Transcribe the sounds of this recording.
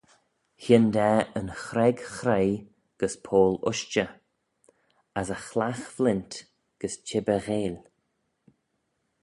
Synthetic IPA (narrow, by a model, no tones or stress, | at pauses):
hɪnd̪ɛːənxɾɛɡxɾej | ɡ̥əspʰoːlʊ̰ʃt͡ʃə | asəxlaxvlɪnt | ɡ̥əst͡ʃʰɪbəɣeːl